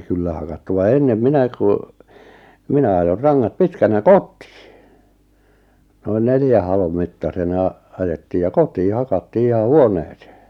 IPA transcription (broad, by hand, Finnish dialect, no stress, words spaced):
kylːæ hɑkɑtːu ʋɑ enːem minæ ku minæ ɑjor rɑŋːɑt pitkænæ kotˑi̥ː noin neljæ hɑlom mitːɑsenɑ ɑjetːiːj jɑ kotiː hɑkɑtːiː ihɑ huone̥ːse̥ː